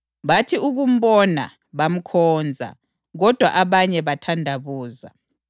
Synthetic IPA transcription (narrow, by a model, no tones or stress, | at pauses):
βatʰiuɣum̩ɓɔna̰ | βam̩kʰɔːnd͡zʱa̰ | ɣɔd̥ʱwa̰ʔaβaɲɛβatʰandʱaβuːza̰